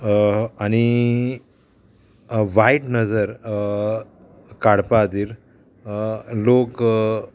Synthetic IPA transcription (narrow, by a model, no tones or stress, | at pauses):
añi | ʋaiʈnəd͡zəɾ | kaɽpaːd̪iːɾ | lok